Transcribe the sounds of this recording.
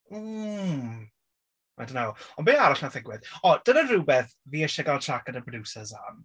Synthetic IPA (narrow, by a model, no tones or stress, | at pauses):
a̰dənawɔnbeːaɾaɬnaθɪɡwɪðɔd̥ənərubɛθ | viːəʃɛɡalˠtʰakənəpʰɔdusəzam